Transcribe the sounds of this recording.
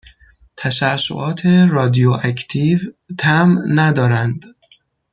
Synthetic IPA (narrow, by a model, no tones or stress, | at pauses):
t̪ʰæʃæso̰ʔɒːt̪ʰe̞ɾɒːd̪ioʔæcʰt̪ʰiːvt̪ʰæmnæd̪ɒːɾænd̪